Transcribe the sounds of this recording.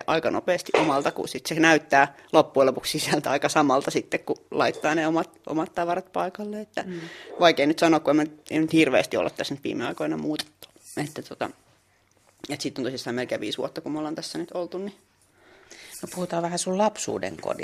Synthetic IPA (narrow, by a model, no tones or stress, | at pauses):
ʔɑikɑno̰peːst̪iʔomɑlt̪ɑkṵsit̪senæyt̪ːæːlopːuelopukssisælt̪æɑikɑsɑmɑlt̪ɑsit̪ːekkulɑit̪ːɑːneomɑt̪ʔo̰mɑt̪t̪ɑʋɑrɑt̪̚pɑikɑlːeet̪ːæʋɑikeinyt̪sɑnoːˑkkuemːænyt̪emnyt̪hirʋḛːst̪io̰lːɑt̪t̪æsnyt̪ʋḭːmeɑ̰ikoinɑmuːt̪e̥t̪ːu̥ | et̪ːæt̪ot̪ɑ̰ | et̪sit̪ːont̪oisist̪ɑimelkeːʋḭːsʋṵot̪ːɑkumolːɑnt̪æsːænyt̪olt̪unni | nopuhut̪ɑːʋæhæsullɑpsṵːdḛŋko̰di